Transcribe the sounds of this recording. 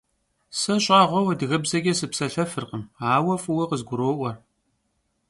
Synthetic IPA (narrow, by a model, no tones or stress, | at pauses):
sɐɕʼaːʁʷɔwɐdɨɣɐbzɐɡʲɛsɨpsɐɬɐfɨrqəmaːwɐfuwɐqəzɡʷʊɾoːʔʷɐr